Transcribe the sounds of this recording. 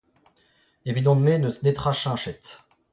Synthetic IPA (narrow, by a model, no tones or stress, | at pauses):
evid̪ɔ̃d̪menəsnet̪χaʃɛ̃ʃɛt̪